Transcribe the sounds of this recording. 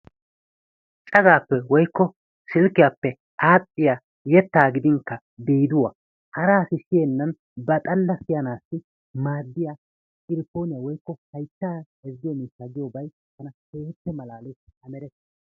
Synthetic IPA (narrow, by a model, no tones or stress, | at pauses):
t͡ʃʼɐɡaːpːɛwɔjkːɔ | sɪlkːɪjaːpːɛ | aːtʼːɪja | jɛt̪ːaːɡɪd̪ɪŋkːɐ | biːd̪ʊwɐ | hɐɾaːsɪʃɪjɛnːɐn | bɐt̪ʼɐlːɐsɪjɐnaːsːɪ | maːd̪ːɪja | ɪɾɪpːo̞ːnɪjawɔjkːɔhɐjt̪ːaːhɛzɪjɔmiːsːaɡɪjɔbɐj | t̪ɐnɐheːt̪ːɛmɐlaːlɛjɐmɛɾɛt̪ː